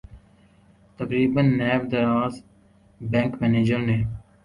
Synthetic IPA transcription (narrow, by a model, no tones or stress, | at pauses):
t̪əkɾiːbənːɛːʋd̪əɾaːz | bɛ̃ːŋkmɛːneːd͡ʒəɾneː